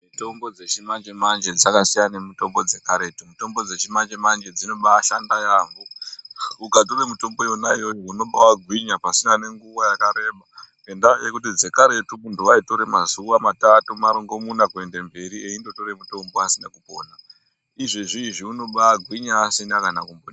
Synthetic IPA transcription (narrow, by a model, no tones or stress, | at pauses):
mitombo̞d͡zet͡ʃimand͡ʒemand͡ʒed͡zakasijanemito̞mbo̞d͡ze̞kaɾe̞tumuito̞mbo̞d͡ze̞t͡ʃimand͡ʒemand͡ʒe̞d͡zino̞ɓaːʃandajaːmbo | ukato̞ɾemuto̞mbo̞jonaijo̞jouno̞ɓawaɡʱwiɲapasinane̞ŋɡuʋajakaɾe̞ːɓa | endajekut̬id͡ze̞kaɾe̞tuuntuʋaito̞ɾe̞mazuʋamatatumaɾoŋɡo̞munakue̞nde̞mbe̞ɾieindo̞to̞ɾe̞muto̞mboasinakupo̞na | iʐiʐiʐiuno̞ɓaːɡʱwiɲaːsinakanakumbo